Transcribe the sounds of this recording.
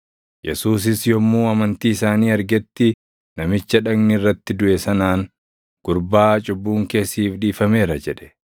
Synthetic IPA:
jʔɛsuːs̬ɪsjɔmːuːɐmɐnt̪iːɪsaːniːɐɾɡɛt̪ːɪ | nɐmɪt͡ʃːɐᶑɐɡnɪɪrːɐt̪ːɪd̪ʊʔɛsɐnaːŋ | ɡ̥ʊɾbaːt͡ʃʼʊbːuːŋke̞ːsːiːfᶑiːfɐme̞ːɾɐd͡ʒɛᶑɛ̥

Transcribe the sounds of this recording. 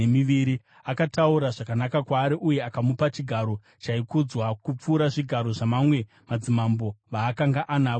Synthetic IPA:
emiʋiɾi | akatauɾaʐakanakakwaːɾiʔuje̞akamupat͡ʃiɡʱaɾo̞ | t͡ʃaikud͡zwakup͡fuːɾaʐiɡʱaɾo̞ʐamamwe̞ | mad͡zimambo̞ʋaːkaŋɡaʔanaːo

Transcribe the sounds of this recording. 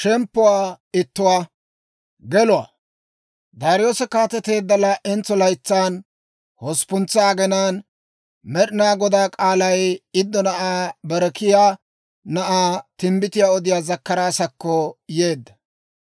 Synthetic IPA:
ʃɛmpːʊwaː | ɪt̪ːʊwaː | ɡɛlʊwa̰ː | d̪aːɾɪjo̞ːsɛkaːt̪ːɛt̪e̞ːd̪ːɐlɐʔɛnt͡sːɔlɐjt͡sːaːn | hɔspʊnt͡sːaːɡɛnaːn | mɛɗɪnaːɡɔd̪aːkʼaːlɐjɪd̪ːɔnɐʔaːbɛɾɛkɪjaː | nɐʔaːt̪ɪmbɪt̪ɪjaːɔd̪ɪjaːzɐkːɐɾaːsɐkːɔje̞ːd̪ːɐ̥

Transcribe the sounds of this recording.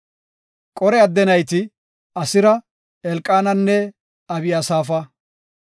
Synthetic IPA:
kʼɔɾɛɐd̪ːɛnɐjt̪ɪ | ɐsɪɾɐ | ɛlkʼːaːnɐnːɛ | ɐbɪjasaːfɐ

